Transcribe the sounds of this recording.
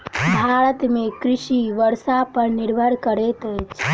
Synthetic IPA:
bʱaɾət̪mekɾisiʋəɾsapəɾniɾbʱəɾkəɾɛt̪əjt͡ʃʰ

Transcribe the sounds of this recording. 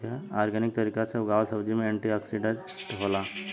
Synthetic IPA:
eaːɾɡənɪk̚t̪ɐɾiːkaseʊɡaːʋəlsɐbd͡ʒimẽeːɳʈiaːksiɖẽ | ʈɦoːla

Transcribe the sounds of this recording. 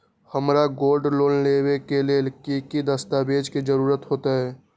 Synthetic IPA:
həmɾaɡoːlɖloːlleːwekelelkikid̪əst̪abeːd͡ʒkid͡ʒəɾuːɾət̪ɦoːt̪aɦɛː

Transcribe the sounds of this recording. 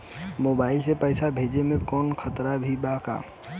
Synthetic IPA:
mobaɪlsepəɪsabʱed͡ʒemẽkɔnkʰət̪ɾabʱibaka̰

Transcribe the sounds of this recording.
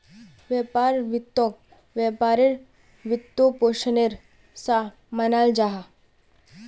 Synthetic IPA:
ʋjepaːɾʋɪt̪ːõk̚ | ʋjepaːɾɪɾ | ʋɪt̪ːopoːʃəneɾ | sa | mənald͡ʒaɦa

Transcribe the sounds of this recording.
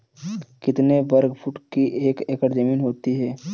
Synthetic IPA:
kɪt̪nebɐɾɡpʰʊʈkiʔeːkekəɾd͡ʒɐmiːnɦoːt̪iɦɛː

